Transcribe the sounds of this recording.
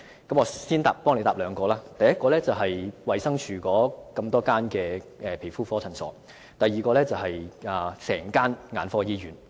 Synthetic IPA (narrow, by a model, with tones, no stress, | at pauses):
kɐ˨˥mŋɔː˨˧siː˥nt̪a̰ː˨pːɔː˥ŋle˨˧jt̪aː˨p̚lœː˨˧ŋkɔː˧laː˥t̪ɐ˨jɐ˥t̚kɔː˧lɛː˥t͡sɐ˨wɦɐ˨jwɐ˨jsɐ˥ŋt͡ʃʰyː˨kɔː˨˥kɐ˧mt̪ɔː˥kaː˥nkɛː˧ɛː˨˩pʰe˨˩fuː˥fɔː˨˥t͡sʰɐ˨˩ŋsɔ̰ː˨˥ | t̪ɐ˨jːiː˨kɔː˧lɛ˥t͡sɐ˨wɦɐ˨jaː˨˩sɛ̰ː˨˩ŋkaː˥nŋaː˨˧nfɔː˧˥jiː˥jyː˨n